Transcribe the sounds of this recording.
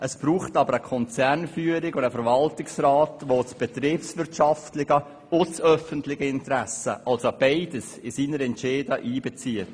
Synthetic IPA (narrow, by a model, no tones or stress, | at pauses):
ʔəsb̥ɾuːχtɑbəɾəkʰɔnt͡sɛrnfyːəɾɪɡʊdəfəɾvɑltɪksɾaːtʋot͡sb̥ɛt̪ɾɪpsʋɪɾtʃɑftlɪɡə | ʊt͡sœfəntlɪɡəɪntɾæsə̰ʔɑlsb̥aɪdəsɪsiːnəɾɛntt͡ʃeːdəʔiːbɛt͡siət